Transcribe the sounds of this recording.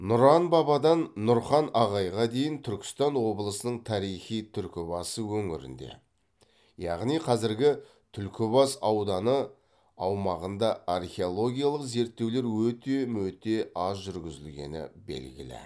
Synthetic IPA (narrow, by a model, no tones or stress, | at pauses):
nʊɾɑnbɑbɑd̪ɑnːʊɾχɑnɑʁɑjʁɑd̪e̞jɪnt̪ʰʏɾkʲɪ̥st̪ɑnwo̞bəlˠəsənəɴt̪ʰɑɾijχijt̪ʰʏɾkʲɪbɑsəwɵŋɪɾɪ̰nd̪e̞̰ | jɑʁnijqʰɑzɪɾɡʲɪ | t̪ʰʏlkʲɪbɑsɑwd̪ɑnə | ɑwmɑʁənd̪ɑarχʲeolˠo̞ɡʲijalˠəqze̞ɾt̪ːe̞wleɾwɵt̪e̞mɵt̪e̞ɑsʒʏɾɡʲɪzɪlɡʲe̞̰nɪ̰bḛlɡʲɪ̰lɪ̰